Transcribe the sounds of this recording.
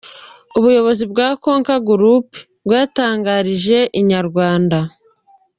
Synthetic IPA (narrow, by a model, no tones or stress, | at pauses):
uβujo̞βo̞zibɡaːko̞ːŋkaɡuɾup | bɡwaːtaːŋɡaɾiʒe̞ʔiɲaɾɡwaːnda